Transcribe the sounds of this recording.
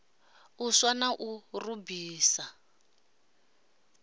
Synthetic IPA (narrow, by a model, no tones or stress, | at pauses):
uswanaʔurubiːsa